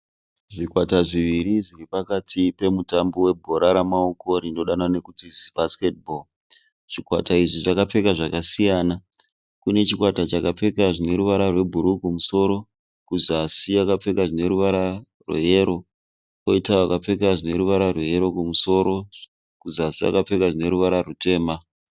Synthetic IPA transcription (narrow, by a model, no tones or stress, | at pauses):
ʐikwataʐiʋiɾiʐiripakatʰipe̞mutambowe̞bʱo̞ɾaɾamaoko̞ɾindoɗanane̞kutizb̥ʱaske̞t̚bʱol | ʐ̥ikwa̰taiʐiʐakap͡fe̞kaʐakasijaːna | kune̞t͡ʃikwatat͡ʃakap͡fe̞kaʐine̞ɾuʋaɾarwe̞bʱuɾukumuso̞ːɾo̞ | kuzasijakap͡fe̞kaʐine̞ɾuʋaɾa | rwḛɦeɾo̞ | ko̞itawakap͡fe̞kaʐine̞ɾuʋaɾarweɦe̞ɾo̞kumuso̞ːɾo̞ | kuzasia̰kap͡fe̞kaʐine̞ɾuʋaɾarute̞ːma